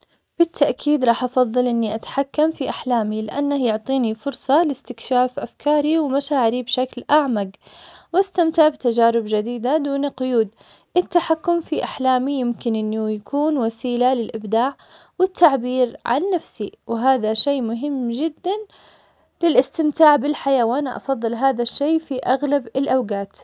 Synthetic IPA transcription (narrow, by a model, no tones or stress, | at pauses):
b̥ɪt̪ʰːaʔkʰiːd̪ɾˤɑːħʔɑfɑðˤːɑlʔɪnːiʔat̪ḁħakːamfiʔaħlaːmilɪʔanːahjʊʕt̪ˤiːnifʊɾsˤɑlɪst̪ɪkʃaːfʔafkʰɑːɾiwmaʃaːʕɪɾibʃaklʔaʕmaɡwʔast̪amt̪ɪʕbt̪ad͡ʒaːɾɪbd͡ʒad̪iːd̪ad̪uːniqʊjuːd̪ | ʔɪt̪ːaħakːʊmfiʔaħlaːmijɪmkɪnʔɪnːujakʰuːnwasiːlalɪlʔɪbd̪aːʕ | wɪt̪ːaʕbiːɾʕa̰nːafsiwɦaːðaʃejːmʊɦɪmːd͡ʒɪd̪ːan | lɪlʔɪst̪ɪmt̪aːʕbɪlħajaːwʔanaʔɑ̰fɑðˤːɨlɦaːðaʃːeːfiʔaɣlabɪlʔawɡaːt̪